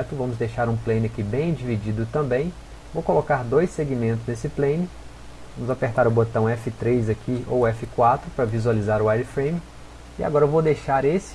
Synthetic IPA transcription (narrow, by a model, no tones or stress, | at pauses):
t̪ʊvɐ̃mʊzd̪ejʃaɾũplẽjnɪɐkibẽj̃d͡ʒivid͡ʒid̪ʊt̪ɐ̃mbẽj̃ | vowkolokaɾd̪ojsːeɡimẽnt̪ʊznesɪplẽjnɪ | vɐ̃mʊzapeɾt̪aɾʊbot̪ɐ̃w̃ɛfɪt̪ɾezɐkʰiowɛfɪkwat̪ɾʊpɾɐvizualizaɾʊajd̪ɪfɾẽj̃mɪ | ia̰ɡɔɾɐevowd̪ejʃaɾes